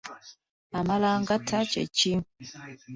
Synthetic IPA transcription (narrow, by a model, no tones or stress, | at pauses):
amalaŋɡatʰat͡ʃɛ̰t͡ʃiŋ